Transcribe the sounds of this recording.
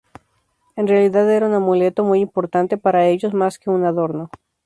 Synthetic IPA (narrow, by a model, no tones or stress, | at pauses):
e̞nrealiðaðe̞ɾaunamule̞t̪omujimpo̞ɾt̪ant̪e̞paɾae̞ʝo̞zmaske̞unaðo̞ɾno̞